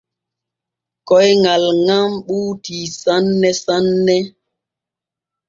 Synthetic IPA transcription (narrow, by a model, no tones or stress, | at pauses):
kɔjŋalŋamɓuːtisanːɛsanːɛ